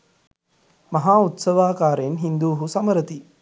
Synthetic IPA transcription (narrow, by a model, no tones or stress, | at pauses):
mɐɦaːut̪sɐʋaːkaːɾenɦind̪uːɦusɐməɾət̪i